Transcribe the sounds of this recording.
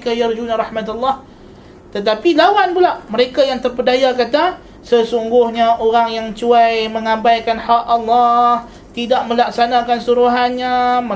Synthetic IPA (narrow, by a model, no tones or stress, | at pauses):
kajard͡ʒunaɾɑhmat̪alːah | t̪ət̪apilawanpulaʔməɾekajaŋt̪ərpədajakat̪a | səsuŋɡʊhɲaʔoɾaŋjaŋt͡ʃuajməŋãmbajkanhaʔalːɔh | t̪idaʔ̚mə̃laksanãkansuɾuɦanɲamə